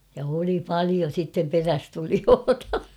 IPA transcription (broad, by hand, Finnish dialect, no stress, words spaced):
jɑ oli pɑlio sitːem peræstulioːtɑ